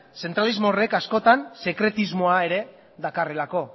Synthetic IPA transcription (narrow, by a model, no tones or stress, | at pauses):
se̞nt̪ɾalizmo̞ːre̞kasko̞t̪anse̞kɾe̞t̪izmo̞ae̞ɾe̞ | ðakare̞lako̞